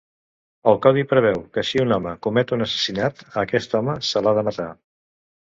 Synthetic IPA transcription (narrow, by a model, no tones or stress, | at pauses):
əlˠkawðipɾəβ̞ɛwkəʃiunɔməkumɛt̪unəsə̥sinat̪əkɛst̪ɔməsəlaðəmət̪a